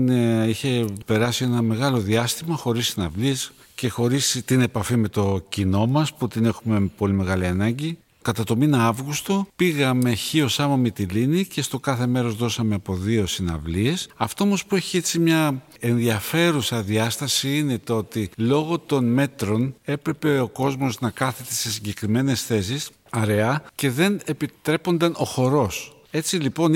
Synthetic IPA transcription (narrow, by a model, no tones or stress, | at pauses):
neiçe̞pe̞ɾɐsie̞nɐme̞ɣɐlo̞ðiɐst̪imɐxo̞ɾisːinɐvlie̞s | ce̞xo̞ɾist̪ine̞pɐfime̞t̪o̞cino̞mɐsput̪ine̞xume̞po̞lime̞ɣɐliɐnɐɲɟi | kɐt̪ɐt̪o̞minɐɐvɣust̪o̞piɣɐme̞çio̞sɐmɐmit̪ilinice̞st̪o̞kɐθe̞me̞ɾozðo̞sɐmeɐpo̞ðio̞sinɐ̰vlie̞sɐft̪o̞omo̞spue̞çie̞t͡simɲɐ | e̞nðiɐfe̞ɾusɐðiɐst̪ɐsiine̞t̪oo̞t̪ilo̞ɣo̞t̪o̞nme̞t̪ɾo̞ne̞pɾe̞peo̞ko̞zmo̞znɐkɐθet̪ese̞siɲɟe̞kɾime̞ne̞sθe̞s̬is | ɐɾe̞ɐce̞ðe̞ne̞pit̪ɾe̞po̞nd̪ɐno̞xo̞ɾo̞s | e̞t͡silipo̞n